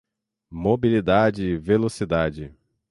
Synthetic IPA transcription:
mobilid̪ad͡ʒɪvelosid̪ad͡ʒɪ

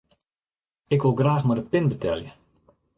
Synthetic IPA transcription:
ɪkʋɪlˠɡraːxmadəpɪnbətʰɛljə

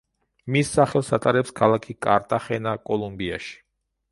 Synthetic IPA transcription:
misːaχɛlˠsat̪ʼaɾɛpskʰalˠakʰikʼa̰ɾt̪ʼaχɛnakʼɔlˠumbia̰ʃi̥

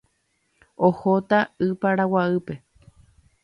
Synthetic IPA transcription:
ohot̪aɨpaɾawaɨpe̞

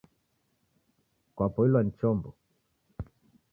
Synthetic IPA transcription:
kwapɔilwan̩t͡ʃɔmbɔ

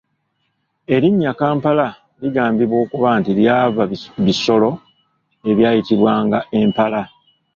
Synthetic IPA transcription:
e̞ɾiɲːakaːmpala | liɡaːmbiβwo̞ːkuβantiljaːβaβiso̞lo̞ | e̞βjaːjitiβwaːŋɡaʔe̞mpala

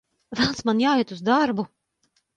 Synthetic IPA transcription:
vælˠnsmanjaːiɛt̪uzd̪aɾbu

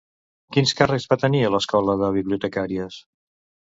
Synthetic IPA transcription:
kinskarezβat̪əniələskɔləðəβ̞iβliut̪əkaɾiəs

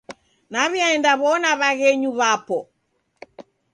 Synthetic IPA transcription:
naβiaɛndaβɔnaβaɣɛɲuβapɔ

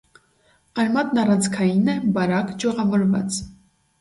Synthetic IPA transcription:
ɑɾmɑt̪nɑrɑnt͡sʰkʰɑjinɛbɑɾɑkd͡ʒɔʁɑvɔɾvɑ̰t͡s

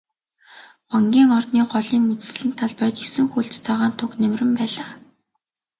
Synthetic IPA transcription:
ɔŋɡʲiːŋɔrt̪niːɢɔɮiːnmet͡sɘ̥̆sɮɘ̆nt̪ʰaɮpœjt̪isɘ̆ŋxuɮt͡ɕt͡saʁaːnt̪ʰʊknemrɘ̆mpæːɮə̆χ

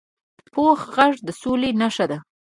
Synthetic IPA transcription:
poxɣaʐd̪əsolenaʂad̪a

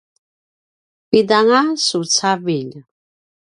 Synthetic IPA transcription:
pid̪aŋasut͡sʰaviʎ

